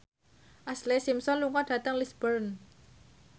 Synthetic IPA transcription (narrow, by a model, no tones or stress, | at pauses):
ʔaslesimsɔnluŋɔɖ̥a̤t̪əŋlisb̥ərn